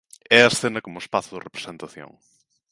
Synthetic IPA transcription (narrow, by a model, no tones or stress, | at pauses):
ɛɐsθenɐkomʊespaθʊðɪrepɾe̥sent̪aθjõ̰ŋ